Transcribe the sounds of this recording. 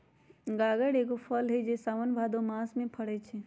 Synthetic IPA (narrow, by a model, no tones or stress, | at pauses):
ɡaːɡəɽeːkopʰəlɦed͡ʒesaːʋənbʱaːd̪õmaːsmẽpʰəɽet͡ʃʰe